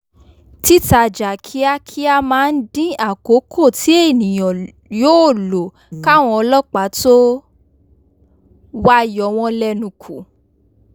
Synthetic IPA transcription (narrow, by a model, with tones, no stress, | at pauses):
ti˦ta˧d͡ʒa˨kʰi˨˦a˦kʰi˦a˧mãː˨˦˧n̩˦dĩ˦a˦˨ko˨˦kʰo˦˨ti˨˦e˦˨nĩ˨j̃ɔ̃˨ | joː˦˨lo˨ | ka˦˨w̃ɔ̃˧ɔ˧lɔ˦˨k͡pa˨˦to˦ | wa˦jɔ˨˦w̃ɔ̃˧lɛ˧nũ˨kʰu˨